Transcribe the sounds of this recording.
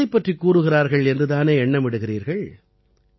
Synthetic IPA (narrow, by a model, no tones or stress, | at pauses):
ɐɪpːɐʈrikːuːrɯɣɪraːɾɣɐɭɛndrɯðaːneːɛɳːɐmɪɽɯɣɪriːɾɣɐɭ